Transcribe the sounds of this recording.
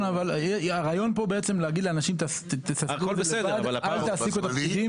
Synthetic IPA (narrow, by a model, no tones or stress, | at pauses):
navaleaʁajo̞npo̞beet͡se̞mleaɡid̪leanaʃimt̪st̪esakkolzbeleedad̪alaalt̪aːsikuet̪akidi